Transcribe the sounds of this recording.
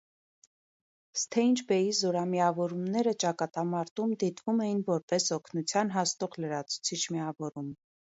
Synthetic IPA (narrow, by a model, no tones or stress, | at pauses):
st̪ʰɛint͡ʃʰbɛjizɔɾɑmiɑvɔɾumnɛɾət͡ʃɑkɑt̪ɑmɑɾt̪umd̪it̪vumɛjinvɔɾpɛsɔkʰnut͡sʰjɑnɦɑst̪ɔʁləɾɑt͡sʰu̥t͡sʰit͡ʃʰmiɑvɔɾum